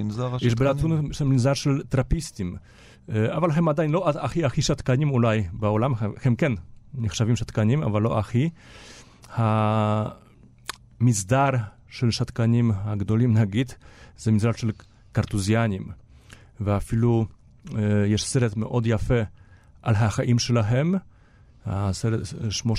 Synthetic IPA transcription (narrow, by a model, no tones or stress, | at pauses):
zajɛʃbelat̪unʃɛmizaɾʃelt̪ɾapist̪im | avalɦɛmad̪ajnloataxiaxiʃat̪kanimulajbaolamhɛmkɛnniχʃavimʃat̪kanima̰valːoʔaxi | ha | mizd̪aɾ | ʃelʃat̪kanimhaɡd̪olimnaɡid̪z̥emizdaɾʃel | kaɾt̪uzjanim | veafilu | jɛʃseɾet̪meʔod̪jafe | ʔalɦaxaʔimʃelaɦem | haseɾetʃmo